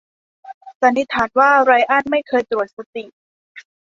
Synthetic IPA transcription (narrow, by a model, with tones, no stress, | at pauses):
sa˧˦nːi˦˥t̪ʰːaː˩˦nwaː˥˩ɾa˧jʔa˥˩nma˥˩jkʰɤː˧jt̪ɾu˨˩ət̪̚sa˧t̪i˨˩